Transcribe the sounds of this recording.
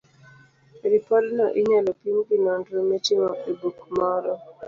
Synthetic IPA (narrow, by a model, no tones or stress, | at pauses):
ɾipɔdnɔʔiɲɛlɔpimkinɔndɾɔmetɪŋɔʔibukmɔɾɔ